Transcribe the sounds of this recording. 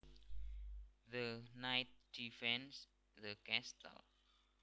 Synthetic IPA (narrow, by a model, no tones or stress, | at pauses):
ðənajt̚d̥ifɛ̃ns | ðəkɛstə̰l